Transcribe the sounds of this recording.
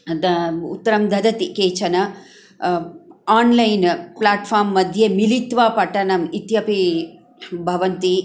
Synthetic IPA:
ṵt̪ːɐɾɐmd̪ʱɐd̪ɐt̪ikeːt͡ʃɐnɐ | aːnlɐjnplaːʈfʰaːɾmːɐd̪ʱjemilit̪ʋaːpɐʈɐnɐmit̪jɐpi | bʱɐʋɐnt̪i

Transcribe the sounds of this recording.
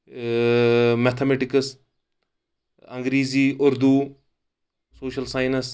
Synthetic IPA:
mɛt̪ʰɐmeʈɪkəs | ɐŋɡɾiːziːʊɾd̪u | soːʃɐlsaːjnɐs

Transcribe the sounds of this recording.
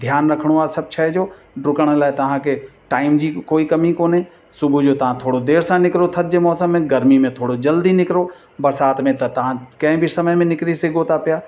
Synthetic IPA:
d̪ʱjaːnɾɐkʰəɽ̃oaːsɐb̚t͡ʃʰaːɦɛd͡ʑoː | ɖʊkəɽ̃laːɪt̪ɐʋ̤ãkʰeʈaːɪmd͡ʑiːkoːikɐmikoːnɦẽ | sʊbʱud͡ʑoːt̪ɐʋ̤ãt̪ʰoːɽod̪eːɾsãnɪkɾot̪ʰɐt̪̚ʰd͡ʑemɔːsəmːẽɡɐɾmimẽt̪ʰoːɽod͡ʑɐld̪inɪkɾo | bɐɾsaːt̪mẽt̪ɐt̪ɐɦãkɐ̃ɦɪ̃bʱisɐməɦmẽnɪkɾiseɡot̪ʰapijaː

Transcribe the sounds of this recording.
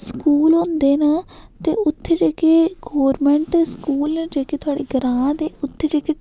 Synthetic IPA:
skuːlɦõːnd̪eːnaːt̪ḛːʊt̪ʰːeːd͡ʒeːkeːɡɔːɾmɛ̃ːɳʈskuːlnẽːd͡ʒeːkeːt̪ʰʊaːɽeːɡəɾãːd̪eːʊt̪ʰːed͡ʒeːkeː

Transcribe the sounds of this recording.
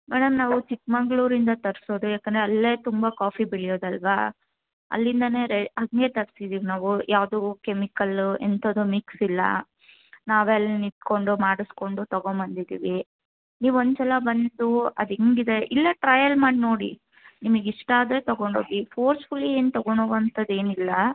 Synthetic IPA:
mɛːɽɐmnaːʋut͡ʃik̚mɐŋɡɭuːɾind̪ɐt̪ɐɾso̞ːd̪ujaːkːɐnd̪ɾeɐlːe̞ːt̪umbɐkaːfibiɭijo̞ːd̪ɐlʋa̰ | ɐ̰lːind̪ɐne̞ːɾeɐŋɡe̞t̪ɐɾsid̪iːʋinaːʋujʔaːʋd̪ukemikɐlḛnt̪oːd̪umiksilːɐ̰ | naːʋɛlːnit̪ko̞ɳɖumaːɽusko̞ɳɖut̪ɐɡombɐnd̪id̪ḭːʋi | niːʋond̪t͡ʃɛlɐbɐnd̪d̪uɐ̰d̪eŋɡid̪e̞ʔilːɐʈɾɐjɐlmaːɽino̞ːɽḭ | nimɐɡiʂʈaːd̪ɾe̞t̪ɐɡoɳɖoːɡipʰoːɾsfulieːnt̪ɔɡoɳoːʋɐnt̪ɐd̪e̞ːnilːɐ

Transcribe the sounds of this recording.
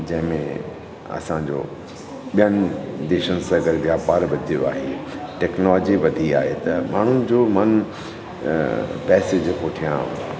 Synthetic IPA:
d͡ʑɐ̃ɦɪ̃mẽ | ɐ̰sãɲd͡ʑo̰ː | ɓijənɪ̆d̪eːʃənɪ̆sãɐɡəɾʋjaːpaːɾʋɐd̪ʱijo̰a̰ːɦeʈɛːknɔːlːd͡ʑiʋɐd̪ʱia̰ːɦet̪ɐmaːɳ̤ʊnɪ̆d͡ʑoːmɐn | pɛːsed͡ʑkoːʈʰijãɦṵ̃

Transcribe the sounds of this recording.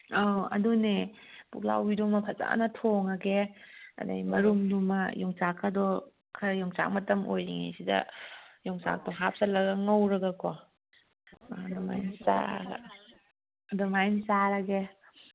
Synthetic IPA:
aɐ̰dune | pukla̰wbidumɐpʰɐt͡ʃa̰nɐtʰoŋɐɡeɐ̰dɐ̰mɐɾumdumɐjɔŋt͡ʃakʰːɐdɔ | kʰɐɾjɔŋt͡ʃa̰k̚mɐtɐmojɾiŋḛsidɐ̰jɔŋt͡ʃa̰k̚tɔɦap̚sɐlɐɡɐŋɐwɾɐɡɐkɔ | dɔma̰jnsa̰ɡɐ̰ | ɐdɔmajnsaɾɐɡe

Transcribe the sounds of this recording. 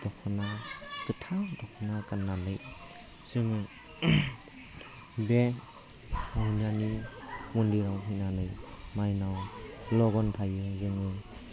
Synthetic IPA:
d̥ɔkʰɯnakɯtʰadɔkʰɔnakanːanɯj | sɯŋɯ | be | munanimunliɾawɦinanɯjmajnawlɔɡɔntʰajɯzɯŋɯ

